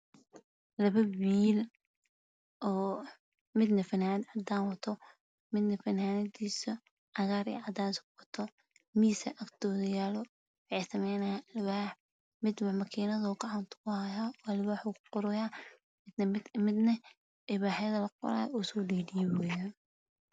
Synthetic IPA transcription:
lɐβɐwiːl | ʔɔː | mɪd̪nɐfɐnaːnɐd̪ʕɑd̪aːnwɐt̪ʰɔ | mɪd̪nɐfɐnaːnɐd̪iːsɐ | ʕɑɣaːɾḭːʕɑd̪aːnskqɔt̪ʰɔ | miːsɐ̰ʔɐkt̪ʰɔːðɪjaːlɔ | wɑʕɪsɐmɛjnɐjɐlwaːħ | mɪd̪wmɐkʰiːnɐðɐɡɑʕɑnt̪ʰʊ̥kʊhɐjaːɔlwaːħukʰʊ̥qɔɾʊjaː | mɪd̪nɐ | ʔɪβaːħjɐðɐlɐqɔ̰ɾa̰ːjuːsɔːɖiːdɪjɛwɛːjaːn

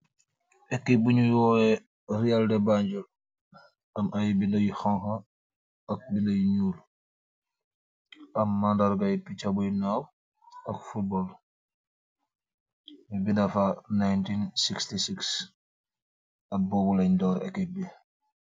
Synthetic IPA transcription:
ʔɛkːebuɲujwɔːɛ | rialdɛbaɲɟul | ʔɐmʔajibindɐjixɔŋxɐ | ɐk̚bindɐjiɲuːl | ʔɐmːandaɾɡɐjpit͡ʃabujinaw | ɐk̚fut̚bɔl | bindɐfanajntinsikstisiks | ɐt̚bɔːbulɛɲdɔːɾɛ̰kːɛbi

